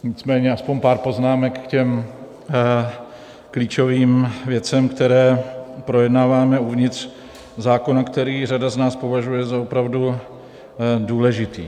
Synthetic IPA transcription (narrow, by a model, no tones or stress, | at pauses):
ɲɪt͡smɛːɲɛaspoɲpaːɾpo̞znaːmɛkkcɛm | kliːt͡ʃo̞viːmvjɛt͡sɛmkt̪ɛɾɛːpɾo̞jɛdnaːvaːmɛuvɲɪt̪r̥ | zaːko̞nakt̪ɛɾiːradaznaːspo̞vaʒujɛzaopɾavdu | duːlɛʒɪt̪iː